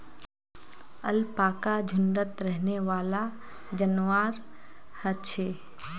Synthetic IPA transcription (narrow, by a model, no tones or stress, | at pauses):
əlpaːkad͡ʒʱʊnɖət̪ɾɛɦneʋaːla | d͡ʒənʋaːɾ | hət͡ʃʰeː